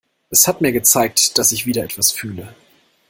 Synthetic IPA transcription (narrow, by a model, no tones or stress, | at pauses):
ʔɛshatmiːɐɡət͡saɪk̚td̥asɪçv̥iːdɐʔɛtv̥asfyːlə